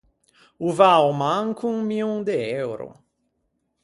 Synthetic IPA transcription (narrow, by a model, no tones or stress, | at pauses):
uvawmãŋkʰuŋmiũŋd̪eɛwɾʊ̰